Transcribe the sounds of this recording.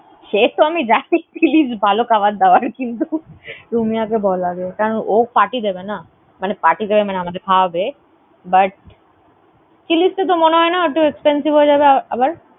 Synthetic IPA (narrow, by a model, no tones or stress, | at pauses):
ʃet̪oamid͡ʑanit͡ʃilisbʱalokaʋat̪̚d̪aoaɾkint̪uɾumijakebɔlːaɡekaɾonok̚paʈid̪ebena | manepaʈid̪ebemaneamad̪eɾkʰaabe | baʈ̚ | kilist̪et̪̬omoneɦɔenaoʈuekspensibʱɦoed͡ʑabeaabaɾ